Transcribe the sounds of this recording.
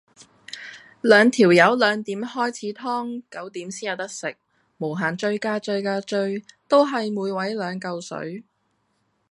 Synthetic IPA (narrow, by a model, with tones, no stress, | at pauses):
lœː˨˧ŋt̪ʰiː˨˩wjɐ˨˥wlœː˨˧ŋt̪iː˨˥mhɔː˥jt͡sʰiː˨˥t̪ʰɔː˥ŋkɐ˨˥wt̪iː˨˥msiː˥jɐ˨˧wt̪ɐ˥k̚sɪ˨k̚ | mo˨˩wɦaː˨˩nt͡ʃɵ˧ɥkaː˧t͡ʃɵ˧ɥkaː˧t͡ʃɵ˧ɥt̪o˥wɦɐ˨jmuː˨˧jwɐ˨˥jlœː˨˧ŋkɐ˧wsɵ̰˨˥ɥ